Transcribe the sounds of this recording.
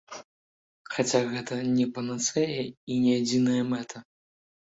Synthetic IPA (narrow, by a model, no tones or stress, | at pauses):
xat͡sʲaɣɛt̪ɐnʲɛpɐnɐt̪sɛjɛinʲɛad͡zʲinɐjɐmɛt̪ʰɐ